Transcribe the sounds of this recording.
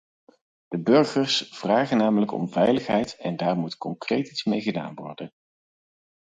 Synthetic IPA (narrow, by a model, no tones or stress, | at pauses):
d̥əbɵɹχərsv̥raːχənaːmələkɔ̰mvɛjləχɦɛjtɛndaːɹmutkɔŋkrejtismejχəda̰ːnʋɔ̰ɹdən